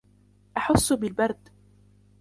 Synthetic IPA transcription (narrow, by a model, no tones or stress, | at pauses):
ʔaħʊsːbɪlbɑɾˤd̪